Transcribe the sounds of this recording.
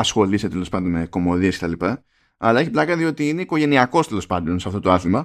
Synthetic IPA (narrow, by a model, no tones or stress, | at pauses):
ɐsxo̞liset̪e̞lo̞spɐnd̪o̞nmeko̞mo̞ðieskce̞t̪ɐlipɐ | ɐlɐe̞çiplɐkɐðio̞t̪iineiko̞ʝe̞niɐko̞st̪elo̞spɐnd̪o̞nsɐft̪o̞t̪oɐθimɐ